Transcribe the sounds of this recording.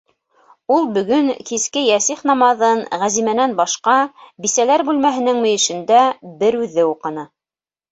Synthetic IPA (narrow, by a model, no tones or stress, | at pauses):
ulˠbɵ̆ɡɵŋkiskɘjæsiχnɑmɑðɤnʁæzimænænbɑʃqɑbisælæɾbʉlmæɦɘ̆nɘŋmɵ̆jɘ̆ʃɘ̆nd̪æbɘɾʉðːɘuqɤ̆nɤ